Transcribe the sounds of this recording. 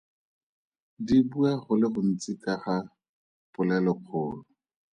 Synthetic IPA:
dibuaχʊlɪχʊn̩t͡sɪkʼaχa | pʊlɛlɔq͡χʰʊːlʊ

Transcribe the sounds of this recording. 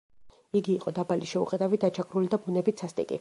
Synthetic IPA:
iɡiːqʼɔd̪abaliʃɛṵqʼɛd̪avid̪at͡ʃʰakʼɾulid̪abunɛbit̪sʰast̪ʼḭkʼḭ

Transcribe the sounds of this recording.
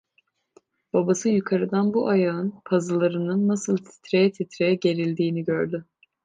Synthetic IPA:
b̥abasɯjukʰaɾɯd̪anbuʔajaɯnpʰazɯlˠaɾɯnɯnːasɯlˠt̪ʰi̥t̪ɾejɛt̪ʰit̪ɾejɛɟe̞ɾilʲd̪iːniɟøɾd̪ʏ

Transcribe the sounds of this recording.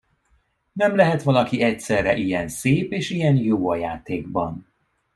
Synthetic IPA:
nɛmlɛɦɛt̪ʋɒlɒkiʔɛcsɛrːɛʔijɛnseːpeːʃijɛnjoːɒja̰ːt̪eːɡbɒn

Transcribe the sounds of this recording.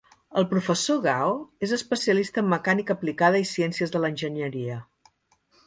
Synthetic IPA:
əlˠpɾufəsoɣawezəspəsiəlist̪əːmːəkanikəplikað̞əisiɛnsiəzðələnʲʒənəɾiə

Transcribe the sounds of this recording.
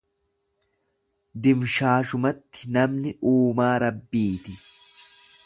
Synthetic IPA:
d̪ɪmʃaːʃʊmɐt̪ːɪnɐmnɪʔuːmaːɾɐbːiːt̪ɪ

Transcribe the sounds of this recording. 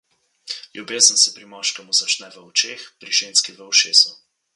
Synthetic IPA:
lʲjubeːzənsɛpɾimɔʃkɛmuzat͡ʃnɛʋəɔt͡ʃeːxpɾiʒeːnskiʋəuʃeːzɔ

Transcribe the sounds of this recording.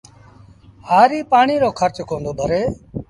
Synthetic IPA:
haːɾiːpaːɳiːɾoːkʰəɾt͡ʃkõːnd̪oːd̪ʱəɾeː

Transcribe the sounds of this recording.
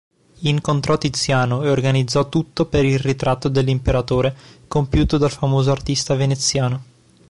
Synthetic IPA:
iŋkont̪ɾɔt̪ːit̪sːjaːnoeorɡanid̪zːɔt̪ːut̪ːopeɾilrit̪ɾat̪ːod̪elːimpeɾat̪oːɾekompjuːt̪od̪alfamoːzoart̪ist̪avenet̪sːjaːno

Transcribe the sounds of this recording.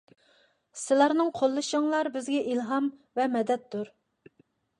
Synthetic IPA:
sɪlˠɑɾnɨŋqʰolˠːɨʃɨŋlˠɑɾbɪzɡʲɛʔilɦɑmvɛmɛd̪ɛt̪ːuɾ

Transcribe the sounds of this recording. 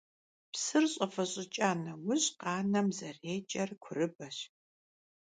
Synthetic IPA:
psɨrɕʼɐfɐɕʼɪt͡ʃʼaːnɐwʊɕʼqɑːnɐmzɐreːt͡ʃʼɐrkʷʰʊrɨbɐɕ

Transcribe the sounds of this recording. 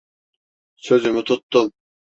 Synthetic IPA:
søzymɪt̪ʰʊt̪ːʊm

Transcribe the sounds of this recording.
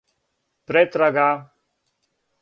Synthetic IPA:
pɾɛt̪ɾaɡa

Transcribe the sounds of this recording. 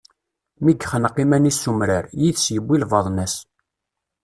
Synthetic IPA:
miɡχənqːimænisːumɾəɾjiðsjəbːilvɑðˤnæs

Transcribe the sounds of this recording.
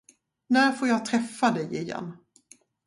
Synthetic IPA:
næːɾfoːɾjɑːt̪ʰɾɛfːad̪ɛjɪjɛ̰nː

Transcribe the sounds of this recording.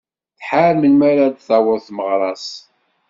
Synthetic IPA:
θħaɾmənmaɾad̪θæwəɾθməʁɾˤɑs

